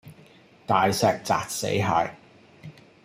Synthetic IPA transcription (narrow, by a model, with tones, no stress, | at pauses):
t̪aː˨jsɛː˧k̚t͡sa̰ː˨t̚sḛ˨˥jɦaː˨˧j